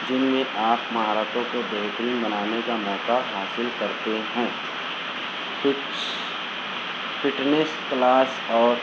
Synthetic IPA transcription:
d͡ʒɪnmẽʔaːpmɐɦaːɾaːtõkobeɦt̪əɾiːnbɐnaːnekamɔːkaɦaːsɪlkɐɾt̪eɦɛ̃ː | ɪ | fʰɪʈnesklaːs | ɔːɾ

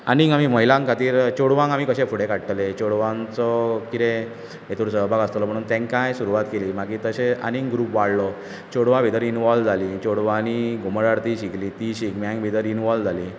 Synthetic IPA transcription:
aniŋɡamiməɦilãŋkat̪iːɾt͡ɕoɽʋãŋɡamiːkəɕẽfuɽekaʈʈlet͡ɕoɽʋãŋt͡sɔkit̪e | et̪uɾsəbʱaɡəst̪lɔm̤əɽuːnt̪ɛ̃ŋkajsuɾuʋat̪keliːmaɡit̪əɕea̰niŋɡɾuːpʋaɽlɔ | t͡ɕoɽʋãbʱit̪əɾinʋɔld͡zʱalit͡ɕoɽʋãniɡʱuməɽaɽt̪iːɕiklit̪iɕikmãŋbʱit̪əɾinʋɔld͡zʱaliː

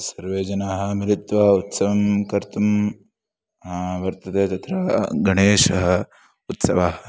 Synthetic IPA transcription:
sɐɾʋeːd͡ʒɐnaːɦɐ̆miɾit̪ʋɐut̪sɐʋɐmkɐɾt̪um | ɦaʋɐɾt̪ɐt̪eːt̪ɐt̪ɾɐɡɐɳeːʃɐɦɐ | ut̪sɐʋaːɦɐ

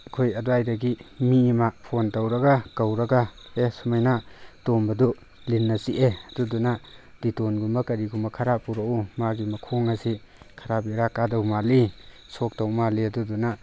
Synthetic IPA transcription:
kʰojɐduajdɐɡimimapʰontawɾɐɡakawɾɐɡa | esumajnatombɐdu | linːɐsiʔeɐdudunad̥itonɡumbɐkɐɾiɡumbakʰaɾapuɾaumaɡimɐkʰoŋɐsi | kʰaɾabiɾakadawmali | sok̚tawmaliaduduna

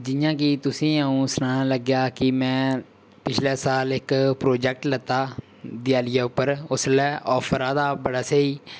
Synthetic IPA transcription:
d͡ʒɪjãːk̬it̪ʊsĩːəũːsʊnaːnaːləɡjaːkɪmɛ̃ː | pɪt͡ʃʰlɛːsaːlɪkpɾoːd͡ʒɛːk̚ʈlət̪ːaː | d̪ɪjaːlɪjaːʊpːəɾʊslɛːʔɔːpʰəɾãːd̪aːbəɽaːseiː

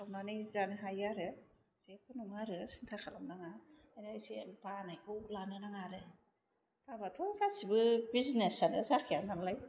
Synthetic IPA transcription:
sʰawnanijzanɯɦajaɾɯ | sekʰɯnuŋaɾɯsintʰakʰalamnaŋa | nsepanajolanɯnaŋaɾɯ | tʰabatʰɔŋkʰasibɯbizinesanɯzakʰijandamlaj

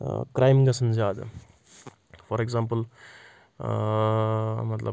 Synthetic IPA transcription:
kɾaːjmɡɐsɐmzaːd̪a̰ | fɔɾeɡzãːmpəl | mɐt̪lɐ̰

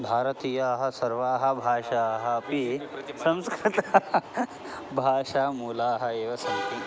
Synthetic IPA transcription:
bʱaːɾɐt̪iːjɐːɦɐ̆sɐɾʋaːɦɐ̆bʱaːʂaɦɐːpisɐ̃mskɾɪt̪a | bʱaːʂaːmuːlaːɦɐeːʋɐsɐnt̪i

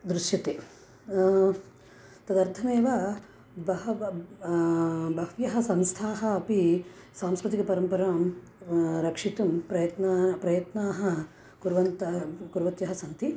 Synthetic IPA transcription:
d̪ɾuʂjɐt̪eː | t̪ɐd̪ɐɾt̪ʰɐneːʋaː | bɐɦɐ | bʱɐɦ̪jɐɦɐ̆sɐmst̪ʰaːɦɐ̆ːpi | saːmskɾut̪ikɐpɐɾɐmpɐɾaːm | ɾɐkʂit̪umpɾɐjɐt̪napɾɐjɐt̪naːɦɐ̆ | kuɾʋɐnt̪ɐɦɐkuɾʋɐt̪jɐɦɐsɐnt̪i

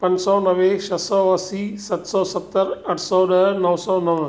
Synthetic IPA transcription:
pɐnsɔːnɐʋeʃɐt̪sɐwɐsisɐt̪sɔːsɐt̪ːɐɾɐʈʰsɔːɖɐnɐwsɔːnɐʋ

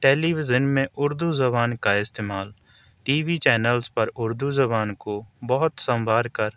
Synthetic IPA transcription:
ʈeːliːʋɪzənmẽʔʊɾd̪uzɐbaːnkaɪst̪eːmaːl | ʈiːʋit͡ʃɛːnəlzpɐɾʊɾd̪uzɐbaːnkobɔɦʊt̪sə̃mbʱaːɾkəɾ

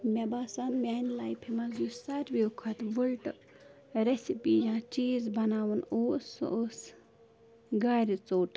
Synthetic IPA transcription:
mʲebaːsanmʲanlajpʰimɐzusɐɾʋiukʰɐt̪ʋulʈ | ɾesipiːjãːt͡ʃiːzbɐnaːʋunoːso̰ʔos | ɡaːɾit͡soːʈ

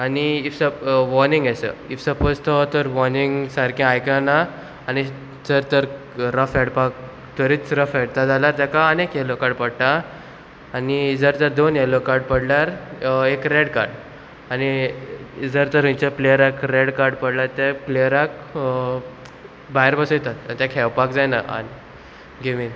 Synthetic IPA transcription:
aniifsəʋɔnĩŋɡasə̰ifsəpod͡zt̪ɔt̪əɾʋɔniŋɡsaɾkẽajkana | añi | d͡zəɾt̪əɾ | ɾəfɛɽpak | t̪əɾiːt͡sɾəfɛɽt̪ad͡zalaɾt̪ɛkaənekelokaɾɖpəɽt̪aː | nid͡zəɾt̪ad̪onɛlokaɾɖpəɽlaɾekɾeɽkaɾɽ | ani | d͡zəɾt̪əɾĩt͡ɕaplejəɾakɾeɽkaɾɖpəɽlat̪aplejəɾak̚ | baeɾbəsəjt̪at̪ait̪jãkʰɛʋpakd͡zajna̰ʔa̰ni | ɡeʋin

